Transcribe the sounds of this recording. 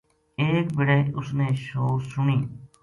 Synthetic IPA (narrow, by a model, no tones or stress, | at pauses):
eːkbɪɽeːʊsneːʃoːsʊɳiː